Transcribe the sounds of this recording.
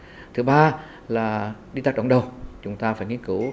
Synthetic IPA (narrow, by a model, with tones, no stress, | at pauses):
t̪ʰɨ˨˦ɓaː˧ | laː˨˩ɗi˧t̪aː˦˩k̚ə̰˧˩ŋ͡mɗə˨˩wt͡ɕʊ˨˦ŋ͡mt̪aː˧faː˧˩jŋi˧˥ənkɨ˧˥